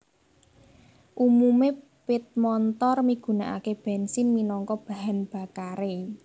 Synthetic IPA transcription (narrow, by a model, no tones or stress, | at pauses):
ʔumume | pɪt̪̚mɔnt̪ɔrmiɡ̥ṳnaʔa̰keb̥ɛ̤nsɪnminɔŋkɔb̥a̤ɦanb̥a̤kaɾe